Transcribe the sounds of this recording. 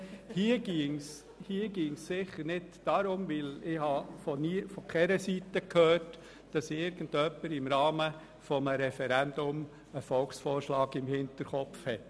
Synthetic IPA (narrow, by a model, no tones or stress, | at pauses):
hiəɡ̥iŋs | hiːəɡ̥iːŋsːɪχəɾnɪdd̥ɑɾʊmʋɪlɪhɑfɔnifɔkχɛɾəsitəkʰhøːɾt | d̥ɑsɪɾɡ̥ən̩dœpːəɾɪmɾɑːmə | fɔməɾɛfɛɾænd̥ʊm | əfɔlksfɔːʃlɑːɡɪmhɪntəɾχɔpfhɛt